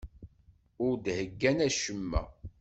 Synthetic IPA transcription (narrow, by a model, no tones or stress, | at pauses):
ʊɾd̪həɡːænæʃəmːæ̰